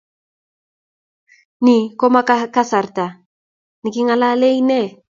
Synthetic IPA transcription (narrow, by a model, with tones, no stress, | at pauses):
ni˨kɔ˦ma˦kaka˦sa˨rt̪a˨ | ni˨ki˦ŋa˧la˦le˦inɛ˦